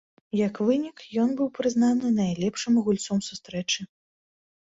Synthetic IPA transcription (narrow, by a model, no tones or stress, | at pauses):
jɐkvɨnʲikjɔnbɨwpɾɨznanɨnajlʲɛpʂɨmɣulʲt̪sɔmsust̪ɾɛt͡ʂɨ